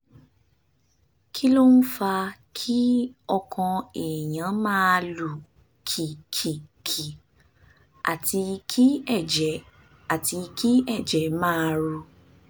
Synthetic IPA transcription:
kʰi˦lo˦n̩˦fa˧kʰi˦ɔ˧kʰɔ̃˧e˨j̃ã˨˦mãː˦˧lu˨ | kʰi˨kʰi˨kʰi˨ | a̰˨ti˧kʰi˦ɛ˦˨d͡ʒɛ˨ | a˨ti˧ki˦ɛ˦˨d͡ʒɛ˨˦mãː˦˧ɾu˧

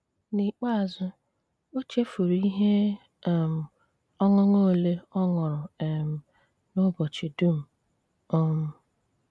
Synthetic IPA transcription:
ni˨k͡pa˦a˨zʊ˦ | o˦t͡ʃe˦fu˨ɾi˦ɦe˦˨ | m̩˨ | ɔ˦ŋʊ˦ŋo˦˨le˦ɔ˦ŋʊ˨ɾʊ˨e˨m̩˨ | nʊ˦bɔ˨t͡ʃi˨du˦m̩˨ | ɔ˦m̩˦

